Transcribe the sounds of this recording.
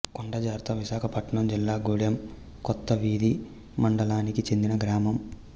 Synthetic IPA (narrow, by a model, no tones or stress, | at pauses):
koɳɖɐd͡ʒaːɾt̪ɐʋiʃaːkʰɐpɐʈɳɐmd͡ʒilːaːɡuːɽjɐm | kɔt̪ːɐʋiːd̪i | mɐɳɖɐlaːnikit͡ʃe̞nd̪inɐɡɾaːmɐm